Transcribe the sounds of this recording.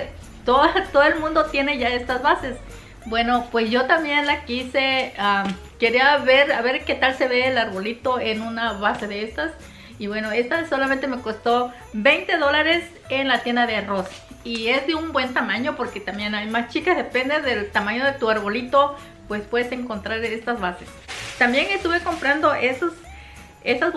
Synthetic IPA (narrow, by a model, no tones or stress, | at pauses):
t̪oðat̪oðoelmũnd̪ot̪jeneʝaest̪azβases | bwenopwesʝot̪ambjenlakisea | keɾiaβeɾaβeɾket̪alseβeːlaɾβolit̪oenunaβaseðeest̪as | iβwenoest̪asolamẽnt̪emekost̪o | bejnt̪e̞ðolaɾes | enlat̪jend̪aðearos | iezðeumbwe̞nt̪amaɲopoɾket̪ambjenajmast͡ʃikazðepend̪eðelt̪amãɲoðet̪uaɾβolit̪o | pwespwe̞ðeseŋkont̪ɾaɾest̪azβases | t̪ambje̞ŋest̪uβekompɾand̪oʔesos | esaz